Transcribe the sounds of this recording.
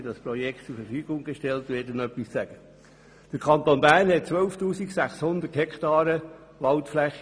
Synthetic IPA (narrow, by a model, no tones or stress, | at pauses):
dɑspɾɔjɛkʰtt͡sʊɾfəɾfyːɡ̥ʊŋɡeʃtɛltʋeːdənœpːissæɡ̥ə | d̥əɾkʰɑnt̪onbæːɾnhɛt̚t͡sʋœʊftuːsiksæχshʊnd̪əthɛkʰt̪ɑːɾə | ʋɑlt̪flɛχ